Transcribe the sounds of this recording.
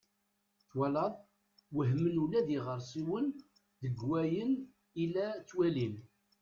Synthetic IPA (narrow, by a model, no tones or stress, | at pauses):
θwælɑðˤ | wəɦmənulæðiʁəɾˤsˤiwən | ðəɡwæjən | ilæt͡sːwælim